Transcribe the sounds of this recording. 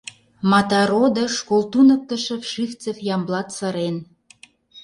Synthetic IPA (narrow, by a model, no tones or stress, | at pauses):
mɑt̪ɑɾod̪ə̆ʃkolt̪unə̆k̚t̪ə̆ʃə̆fʃyft͡səfjɑmblɑt̪sɑɾen